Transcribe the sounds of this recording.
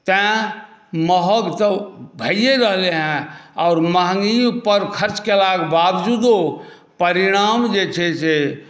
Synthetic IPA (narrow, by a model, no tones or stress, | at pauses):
t̪ɛ̃ | məɦəɡt̪əbʱəijeɾəɦleɦɛ̃ɔːɾmaɦŋɡiõpəɾkʰəɾt͡ʃkelaːɡbabd͡ʒuːd̪o | pəɾiɽ̃aːmd͡ʒet͡ʃʰese